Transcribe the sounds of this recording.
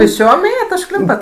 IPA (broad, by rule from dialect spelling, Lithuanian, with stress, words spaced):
pʲeːsʲˈt͡ʃʲoːm ˈeːjɛt ʊʃˈklʲɪmpɐt